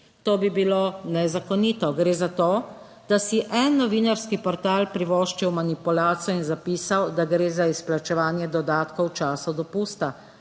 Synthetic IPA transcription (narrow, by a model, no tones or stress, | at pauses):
t̪oːbibilonɛzakɔniːt̪ɔɡɾeːzat̪oː | d̪̥asiʔɛnːɔʋiːnaɾskipɔɾt̪aːlpɾiʋɔːʃt͡ʃɛwmanipulaːt̪sjɔinzapiːsawd̪aɡɾeːzaisplat͡ʃɛʋaːnjɛd̪ɔd̪aːt̪kɔwt͡ʃaːsɔd̪ɔpuːst̪a